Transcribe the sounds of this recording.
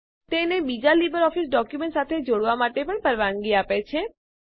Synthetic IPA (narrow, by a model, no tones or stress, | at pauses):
t̪enebid͡ʒalibəɾɔfisɖɔkjumẽɳʈsat̪ʰed͡ʒoɽʋamaʈepəɳpəɾʋaŋɡiapet͡ʃʰe